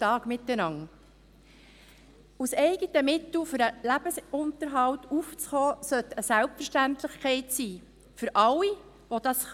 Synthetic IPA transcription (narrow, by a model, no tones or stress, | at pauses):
tɑːɡ̥mɪt̪ːənɑŋ | usɛɪɡətəmɪt̪l̩fʏɾəlæb̥əsʊnt̪əɾɦɑltuft͡sχɔːsœt̪əsælpfəɾʃtænt̪lɪχkʰɛɪtsiː | fʏɾʔɑlːi | ʋod̥̪ɑs